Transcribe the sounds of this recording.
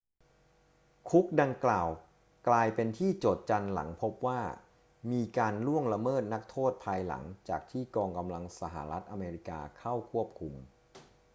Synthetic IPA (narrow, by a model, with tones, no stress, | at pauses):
kʰu˦˥k̚da˧ŋklaaː˨˩w | klaː˧jpe˧nt̪ʰiː˥˩t͡ɕoː˨˩t̪̚t͡ɕa˧nla̰˩˦ŋpʰo˦˥p̚waː˥˩ | miː˧kaː˧nlu˥˩əŋɾa˧mɤː˥˩t̪̚na˦˥k̚t̪ʰoː˥˩t̪̚pʰaː˧jla̰˩˦ŋt͡ɕaː˨˩k̚t̪ʰiː˥˩kɔː˧ŋka˧mla˧ŋsa˧ɦa̰˨˩ɾa˦˥t̪̚ʔa˧meː˧ɾi˦˥ka̰ː˧kʰa˥˩wkʰu˥˩əp̚kʰu˧m